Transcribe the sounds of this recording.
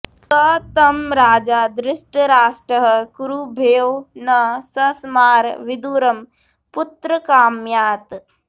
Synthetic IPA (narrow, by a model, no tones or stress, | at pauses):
kɐt̪ɐmɾaːd͡ʒaːd̪ɾɪʃʈəɾaːsʈəɦkuɾubʱeːwnɐsɐsmaːɾʋɪd̪uːɾɐm | pʊt̪ɾɐkaːmjaːt̪